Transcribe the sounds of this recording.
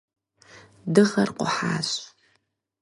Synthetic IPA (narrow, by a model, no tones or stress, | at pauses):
dɨʁɐrqʷʊ̰ħaːɕʼ